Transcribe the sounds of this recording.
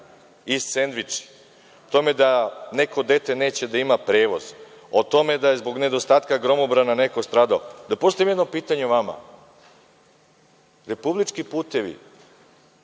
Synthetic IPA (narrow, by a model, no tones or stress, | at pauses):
issend̪ʋit͡ʃi̥ | ot̪o̞me̞d̪ane̞ko̞d̪e̞t̪e̞ne̞ːt͡ɕe̞d̪aimapɾe̞ːʋoz | ot̪o̞me̞d̪ajezbo̞ɡne̞d̪ost̪aːt̪kaɡɾo̞mobɾananeko̞st̪ɾaːd̪aod̪apo̞st̪ojemjed̪nopiːt̪aɲeʋama̰ | ɾe̞publit͡ʃkipuːt̪e̞ʋḭ